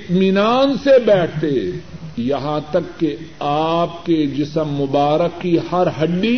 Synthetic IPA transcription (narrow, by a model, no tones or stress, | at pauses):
ɪt̪mɪnaːnsebɛːʈ̚ʰt̪ejɐɦãt̪ɐkːeaːp̚ked͡ʒɪsəmːʊbaːɾəkːihɐɾɦɐɖːi